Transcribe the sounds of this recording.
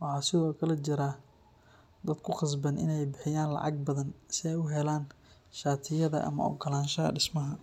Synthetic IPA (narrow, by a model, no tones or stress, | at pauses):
wɑħɑːsɪðɔːkʰɐlɐt͡ʃɪɾaː | d̪ɐd̪̚kʰʊχɑs̬bɐnʔɪ̰nɛjbɪħɪjaːnlɑ̰ʕɑɡ̚bɐðɐnsɪɛjʊɦɛlaːn | ʃaːt̪ʰɪjɐðɐ̰ʔɐ̰mɐ̰ɔ̰ɡɐlaːnʃɐɐ̰ɖɪsmɐɦɐ